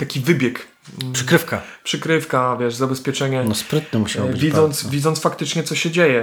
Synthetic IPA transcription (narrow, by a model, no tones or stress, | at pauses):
t̪akʲivɘbʲjɛk̩ | ʂɘkɾɘfka̰pʂɘkɾɘfkavʲjɛʐzabɛspʲjɛt͡ʂɛɲɛnɔspɾɘt̪nɛmuɕawbɪvʲid̪zɔnt̪svʲid̪zɔnt̪fakt̪ɘt͡ʂɲɛt̪sɔɕɛd͡ʑejɛ